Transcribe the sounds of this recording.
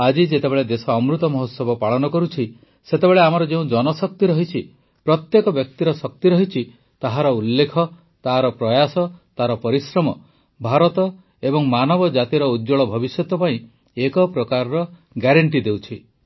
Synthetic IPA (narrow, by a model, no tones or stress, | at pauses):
ad͡ʒid͡ʒet̪ebeɭed̪esɔːmɾut̪ɔmɔɦɔt̪sɔbɔpaɭɔnɔkɔɾut͡ʃʰi | set̪eβeɭeamɔɾɔd͡ʒeũd͡ʒɔnɔsɔk̚t̪iɾɔɦit͡ʃʰi | pɾɔt̪jekɔbjɔk̚t̪iɾɔsɔk̚t̪iɾɔɦit͡ʃʰi | t̪aɦaɾɔulːekʰɔ | t̪aɦaɾɔpɾɔjasɔt̪aɾɔpɔɾisɾɔmɔ | bʱaɾɔt̪ɔ | ebɔŋmanɔbɔd͡ʒat̪iɾɔud̪d͡ʒɔɭɔbʱɔbisjɔt̪ɔpaĩ | ekɔpɾɔkaɾɔɾɔ | ɡaɾaɳʈ̬id̪ewt͡ʃʰi